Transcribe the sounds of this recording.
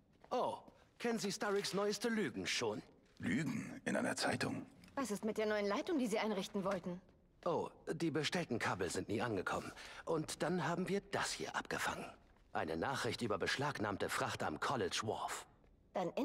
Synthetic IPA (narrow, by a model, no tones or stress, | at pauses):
ʔoːkʰɛnənziːstaʁɪksnɔʏəstəlyːɡŋ̩ʃoːn | lyːɡŋ̩ʔɪ̰nʔa̰ɪnɐ̰t͡saɪtʊ̰ŋvasɪstmɪt̚d̥eːɐnɔʏənlaɪtʊŋdiːziːʔaɪnʁɪçtn̩vɔltn̩ | ʔoːd̥iːbəʃtɛltn̩kʰabl̩zɪntniːʔanɡəkʰɔ̰mənʔʊntd̥anɦaːbm̩viːɐd̥ashḭːɐʔa̰p̚ɡ̥əfa̰ŋən | ʔaɪnənaːχʁ̥ɪçtʔyːbɐbəʃlaːknaːmtəfʁ̥aχta̰mkʰɔlɪt͡ʃvɔ̰f | d̥anʔɪ